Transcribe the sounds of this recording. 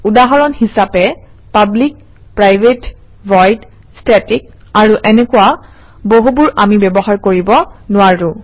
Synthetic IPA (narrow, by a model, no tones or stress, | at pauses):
udaɦɔɹɔnhisapɛ | pablik̚ | pɹajbʱet | vɔjd | stɛtik̚ | aɹuʔɛnɛkʊwa | boɦubʊɹamibɛbɔɦaɹkoɹibɔnʊaɹʊ̃